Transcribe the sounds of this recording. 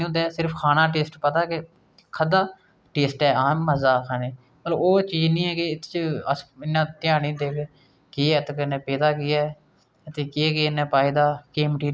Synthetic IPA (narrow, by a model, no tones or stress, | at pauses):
õːd̪ɛːsɪɾəpʰkʰaːnãːʈ̬eːsʈpət̪aːkɪ | kʰəd̪aː | ʈeːsʈɛːaːmːəzaːkʰaːneː | mət̪ləboːt͡ʃiːd͡ʒnĩːɛːkɪɪt̪ʰːt͡ʃəsɪnːãːt̪ɪjaːnĩːd̪eːke | keːɛːt̪ːkənɛ̃ːpeːd̪aːkɪːɛː | ət̪eːkeːkenːɛ̃ːpaːid̪aːkeːmʈiː